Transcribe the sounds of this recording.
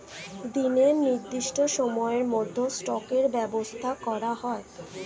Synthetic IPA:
d̪ineɾniɾd̪iʃʈoʃɔmɔeɾmod̪ʱːosʈɔkeɾbɛbost̪ʰakɔɾaɦɔe

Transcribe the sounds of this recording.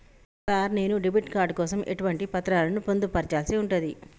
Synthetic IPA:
saːɾne̞ːnuɖibiʈkaːɾɖ̚kɔːsɐmʔe̞̰ʈuʋɐɳʈipɐt̪ɾaːlɐnupond̪upɐɾt͡ʃaːlsiuɳʈund̪i

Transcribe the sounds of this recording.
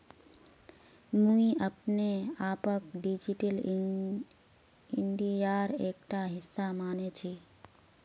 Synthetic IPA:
mũiəpneaːpəkɖid͡ʒiʈəl | iɳɖijaɾek̚ʈaɦɪsːamanet͡ʃʰi

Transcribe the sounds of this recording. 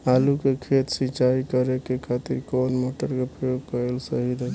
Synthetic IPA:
alukekʰet̪sit͡ʃaikəɾekekʰat̪iɾkonmoʈəɾkepɾəjoɡ̚kəɾelsəɦiɾə

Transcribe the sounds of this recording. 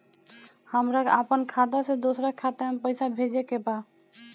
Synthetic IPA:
həmɾakapənkʰad̪asẽd̪osɾakʰːat̪amepəɪsabʱed͡ʒekeba

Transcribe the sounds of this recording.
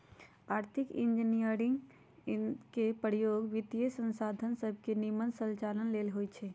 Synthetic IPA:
aːɾt̪ʰikḭnd͡ʒinijəɾiŋɡ | kepəɾijoɡʋit̪jəsə̃nsad̪ʱənsəb̚ʱkenimənsəlt͡ʃalənlelɦojt͡ʃʰɛ

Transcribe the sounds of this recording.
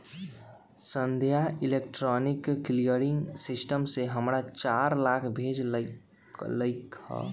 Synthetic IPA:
sə̃nd̪ʱjailek̚ʈɾɔnikːlijəɾiŋɡsisʈəmseɦəmɾat͡ʃaɾlakʰbʱed͡ʒl | ləɪkhɔ̰

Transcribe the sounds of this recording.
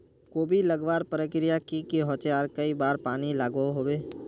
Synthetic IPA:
koːbʱilɐɡʋaːɾpɾəkɾijakikiɦɔ̃ːt͡ʃeaːɾkɐibaːɾpaːnilaːɡoɦoːbeː

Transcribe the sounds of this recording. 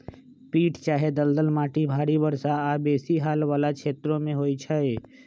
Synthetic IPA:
piːʈt͡ʃaːɦed̪əld̪əlmaːʈibʱaːɾibəɾsaaːbeːsiɦaːlʋaːlakʃeːt̪ɾõmẽɦoːit͡ʃʰae

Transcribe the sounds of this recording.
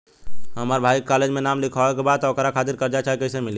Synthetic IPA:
ɦəməɾbʱaikaled͡ʒmenamlikʰaʋɛkebad̪̚t̪ɔokɾakʰat̪iɾkəɾd͡ʒat͡ʃaɦɛkəɪsemili

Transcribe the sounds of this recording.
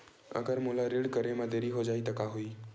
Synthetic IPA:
ə̰ɡəɾmʊlaɾeɽkəɾemãd̪eɾiɦod͡ʒaːit̪əkaɦuiː

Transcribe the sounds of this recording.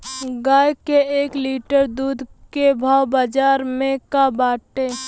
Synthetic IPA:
ɡaːjkeeːkliːʈəɾd̪uːd̪ʱkebʱaːwbad͡ʒaːɾmẽkabaːʈe

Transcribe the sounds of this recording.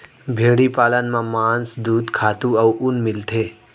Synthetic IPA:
bʱeːɽipaːlənmãmaːnsd̪uːd̪kʰaːt̪ũɐwʔʊnmɪlt̪ʰeː

